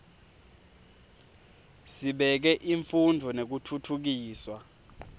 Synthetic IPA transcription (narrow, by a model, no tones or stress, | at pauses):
siɓɛk̬ɛʔiɱfundʱɔnek̬utʰutʰuk̬iːswa